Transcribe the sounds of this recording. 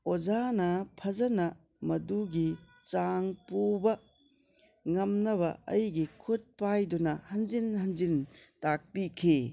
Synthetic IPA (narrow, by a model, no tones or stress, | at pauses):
od͡ʒanɐpʰɐzɐnɐ | mɐduɡi | t͡ʃaŋpubɐ | ŋɐmnɐβɐɐ̰jɡikʰut̚pajdunɐhɐnd͡ʒinhɐnd͡ʒintak̚pikʰi